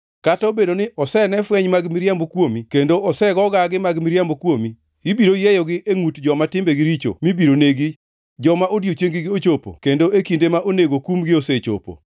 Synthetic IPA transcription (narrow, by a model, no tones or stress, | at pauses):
katobedonɪʔɔsɛnɛfwɛɲmaɡmiɾjambokwomikendoɔsɛɡɔɡaɡɪmaɡmiɾjambokwomi | ibiɾojejɔɡɪʔeŋutd͡ʒɔmatɪmbeɡɪɾit͡ʃo̰mibiɾoneɡi | d͡ʒɔmaʔodjot͡ʃeŋɡɪɡɪot͡ʃopo̰kendoʔekindemaʔoneɡokumɡɪoset͡ʃo̰po̰